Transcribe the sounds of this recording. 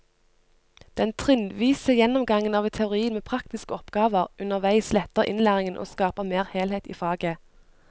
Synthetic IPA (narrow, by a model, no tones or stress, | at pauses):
d̪̥ɛnt̪ʰʁɪnʋiːsəjɛnɔmɡɑŋənɑːʋɛt̪ʰɛʊʁiːənmeːpʰʁɑkt̪ɪskəɔpɡɑːʋəʁʉnəʁʋæɪslɛt̪əʁʔɪ̰nlæːʁɪŋənʔo̰ːskɑːpəmeːʁheːlheːt̪ḭːfɑːɡə